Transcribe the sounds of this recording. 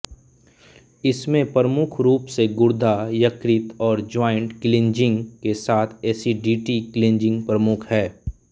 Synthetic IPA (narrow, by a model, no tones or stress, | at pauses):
ɪsmẽpɾəmʊkʰɾuːpseɡʊɾd̪ʱajɐkɾɪt̪ɔːɾd͡ʒɔːɪ̃ɳʈkɪlɪ̃nd͡ʒɪ̃ŋɡkesaːt̪ʰeːsiɖiːʈikɪlɪ̃nd͡ʒɪ̃ŋɡpɾəmʊkʰhɛː